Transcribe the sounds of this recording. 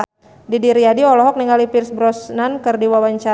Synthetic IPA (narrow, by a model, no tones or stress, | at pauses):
didiɾiadiɔlɔɦɔk̚niŋalipirsbɾɔsnankərdiwawaɲt͡ʃa